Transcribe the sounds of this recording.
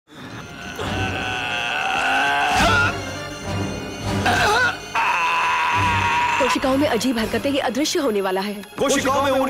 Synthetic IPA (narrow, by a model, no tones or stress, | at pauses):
poːʃɪkaːõmẽʔɐd͡ʒiːbɦɐɾkət̪ẽkeʔɐd̪ɾɪʃjəɦoːneʋaːlaɦɛː | poːʃkaõmẽo